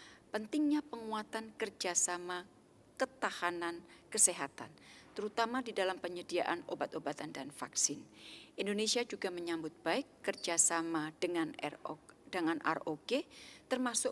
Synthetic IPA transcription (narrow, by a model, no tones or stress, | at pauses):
pənt̪ɪŋɲapəŋuat̪ankərd͡ʒasama | kət̪ahanankəseɦat̪a̰nt̪əɾut̪amadidalampəɲədia̰ʔano̰bat̪obat̪andanfa̰ksɪnʔindonesiad͡ʒuɡaməɲambʊt̪̚b̥aɪkːərd͡ʒasamadəŋan | dəŋanʔa̰rʔoɡet̪ərmasʊ